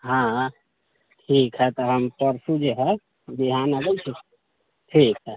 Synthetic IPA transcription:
ɦã | ʈʰikɦɛt̪ɔɦəmpəɾsud͡ʒeɦɛ | b̪iɦanəɡɛt͡ʃʰɛ | ʈʰikɦɛ

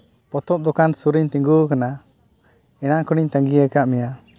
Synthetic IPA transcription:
pɔt̪ɔp̚d̪ɔkansuɾiɲt̪ɛ̃ŋɡukana | ɛnakɔɽ̃iɲt̪aŋɡiakaʔmɛja

